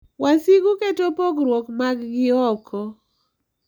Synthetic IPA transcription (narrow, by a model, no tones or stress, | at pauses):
wasiɡuketopoɡɾwokmaɡɡɪɔkʰɔ